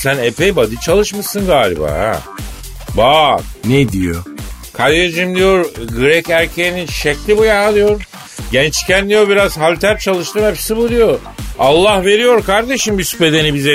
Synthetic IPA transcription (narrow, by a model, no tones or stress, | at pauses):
sænepʰejbad̪ɯt͡ʃʰalˠɯʃmɯsɯnɡaːlʲḭba̰ːhæ̰ | baːned̪ijo̰ | kʰad̪ed͡ʒimd̪ʲijo̞ɾɡɯɾɛcæɾcʰeininʃɛclʲibujaalˠɯjo̞ɾ | ɟɛnt͡ʃcʰænd̪ijo̞biɾaz̥ɦalʲt̪ʰæɾt͡ʃʰalˠɯʃt̪ɯːmhepsibulˠujo | alˠːahve̞ɾijo̞ɾkʰaɾd̪e̞ʃimbyspe̞d̪enibizɛ